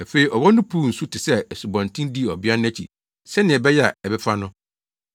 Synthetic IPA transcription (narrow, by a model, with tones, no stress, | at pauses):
æ˨fe˨i˨ʔɔ˨wɔ˦nʊ̃˦pʰuː˦˨n̩˨su˦tʰɪ˨sɛ˦ɛ˨su˨bã˨ntʰĩ˦ndi˦˨ɔ˨bɪ˦a˦n˦æ˦t͡ɕʰḭ˨ | sɛ˦nɪ̃˨ɛ˨bɛ˦jɛ˦a̰˨ɛ˨bɛ˦fa˦nʊ̃˦